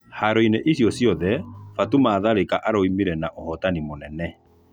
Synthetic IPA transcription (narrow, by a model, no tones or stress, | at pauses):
haɾoineʔesjɔsjɔðɛfatumaːðaɾekaʔaɾoimiɾɛnaʔohɔtanimonɛnɛ